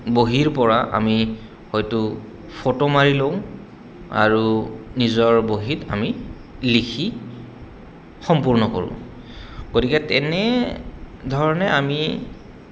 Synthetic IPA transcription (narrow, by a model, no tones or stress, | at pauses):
boɦiɹpɔɹaʔa̰mi | hɔjtʊ | pʰotomaɹiloʊ̃ | a̰ɹunizɔɹboɦita̰mi | likʰi | xɔmpuɹnɔko̰ɹʊ̰̃ | ɡodikɛtɛnɛ | dʱɔɹɔnɛami